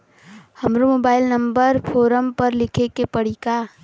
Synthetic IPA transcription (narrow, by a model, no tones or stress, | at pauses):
hɐmɾumoːbaːɪlnə̃mbəɾpʰoːɾəmpɐɾlɪkʰekepɐɽ̤ika